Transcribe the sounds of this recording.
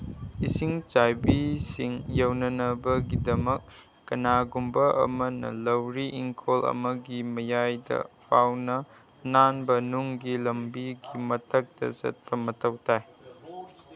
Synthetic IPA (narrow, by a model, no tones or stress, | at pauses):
isiŋt͡ʃajbisiŋjɐwnɐnɐbɐɡidɐmɐk̚ː | ɐnaɡumbɐʔɐ̰mɐnɐ̰lɐwɾiʔiŋkʰolɐ̰mɐɡimɐjajdɐ̰pʰawnɐ | nanbɐnuŋɡilɐmbiɡimɐtʰɐk̚tɐ̰zɐ̰t̚pɐmɐtʰɐwtʰaj